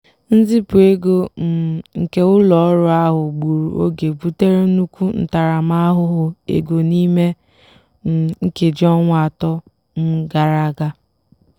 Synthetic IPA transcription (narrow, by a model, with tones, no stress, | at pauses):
n̩˦zi˦pʊ˨e˦ɡo˦m̩˨ŋ̩˨ke˦ʊ˦lɔ˨ɔ˦ɾʊ˦a˦ɦʊ˨ɡ͡bu˨ɾu˨ʔo̰˦ɡe˨bu˦te˦ɾe˦nu˦kʷu˦n̩̰˨ta˨ɾa˨ma˦a˦ɦʊ˦ɦʊ˨ḛ˨ɡo˨ni˦me˦˨ | ŋ̩˦ke˨d͡ʒɔ˦ŋʷ˦a˨tɔ˦ | n̩˦ɡa˦ɾa˦ɡa˦